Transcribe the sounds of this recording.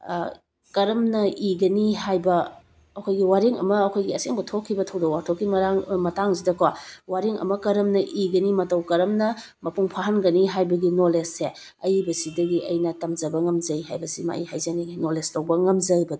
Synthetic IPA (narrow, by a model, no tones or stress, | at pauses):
kɐɾɐmnɐʔiɡɐniɦajbɐː | kʰojɡiwaɾiŋɐ̰mɐːkʰojɡiɐseŋbɐtʰokʰːibɐtʰɐwdowaɾtʰokːimɐɾaŋmɐtaŋzidɐkwawaɾiŋɐ̰mɐkɐɾɐmnɐʔiɡɐnimɐtɐwkɐɾɐmnɐ | mɐpuŋpʰaɦɐnɡɐniɦajbɐɡinolesːe | ɐjbɐsidɐɡiʔɐjnɐtɐmzɐbɐŋɐmzɐjhajbɐsima̰ḭhajzɐninoleslɐwbɐŋɐmzɐbɐd